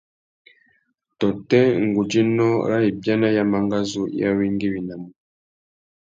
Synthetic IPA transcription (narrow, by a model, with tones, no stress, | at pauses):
tɔ˨tɛ˦ŋ˨ɡu˨d͡ʒi˦nɔ˦ɾa˦i˨bja˦na˦ja˦ma˨ŋɡa˦zu˦ja̰˦wi˦ŋɡi˦wi˨na˨mu˨